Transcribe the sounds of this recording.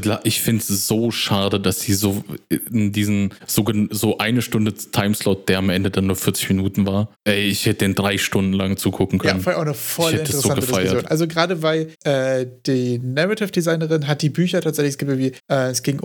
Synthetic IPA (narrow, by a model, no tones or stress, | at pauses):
laʔɪçfɪntsz̥oːʃaːdədasz̥iːzoːɪndiːzn̩z̥oːɡənzoːʔaɪnəʃtʊndətʰaɪmslɔʊt̚d̥eːɐamʔɛndədanːuːɐfɪɐt͡sɪ̥çminuːtn̩vaːɐʔɛɪɪçhɛtədiːnd̥ʁaɪʃtʊndn̩laŋt͡suːkʰʊkŋ̩kʰjœanənfnfaaʊnəfɔlhɛɪntssz̥oːanɡətəffaɪɐoːnʔalzoɡʁaːdəvaɪʔɛːd̥iːnaʁatɪfd̥izaɪnəʁɪnɦat̚d̥iːbyːçɐtʰaːtz̥ɛçlɪçɛsɡ̥iːpɪŋviːʔɛːɛsɡ̥ɪŋ